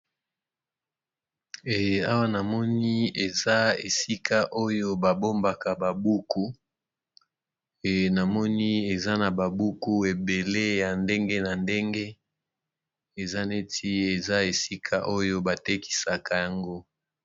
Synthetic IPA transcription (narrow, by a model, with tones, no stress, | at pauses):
ɛ˨a˦wa˦na˨mɔ˦ni˦e˨za˦e˨si˦kʰa˦ʔo˦jo˦ba˨bo˦mba˨ka˨ba˨bu˦ku˦ | e˨na˨mɔ˦ni˦e˨za˦na˨ba˨bu˦ku˦e˨be˨le˦ja˨nde˦ŋɡe˦na˨nde˦ŋɡe˦ | e˨za˦ne˦tʰi˦e˨za˦e˨si˦kʰa˦ʔo˦jo˦ba˨te˦ki̥˨sa˨ka˨ja˨ŋɡo˦